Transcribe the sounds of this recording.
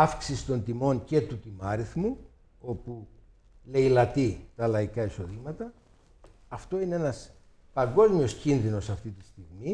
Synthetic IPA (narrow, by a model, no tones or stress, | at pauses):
ɐfksisi̥t̪o̞nt̪imo̞ɲce̞t̪ut̪imɐɾiθmu | o̞pu | le̞jlɐt̪it̪ɐlɐikɐiso̞ðimɐt̪ɐ | ɐft̪o̞ine̞enɐs | pɐŋɡo̞zmio̞scinðino̞sɐft̪it̪ist̪iɣmi